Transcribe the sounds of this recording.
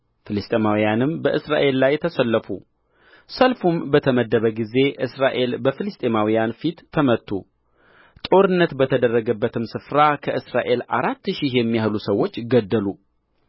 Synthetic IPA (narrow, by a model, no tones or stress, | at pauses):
fɨlɨst̪ʼemawijanɨmbəʔɨsɾa̰ʔe̞lːajt̪ʰəsəlːəfṵ | səlfumbət̪ʰəməd̪ːəβəɡize̞ʔɨsɾaʔe̞lbəfɨlɨst̪ʼemawijanfit̪ʰːəmət̪ʰːu | t̪ʼo̞ɾɨnːət̪bət̪ʰəd̪ərːəɡəbːət̪ʰɨmsɨfɾakʰəʔɨsɾaʔe̞laɾat̪ːʃihjɛmːijahlusəwːo̞t͡ʃːɡəd̪ːəlu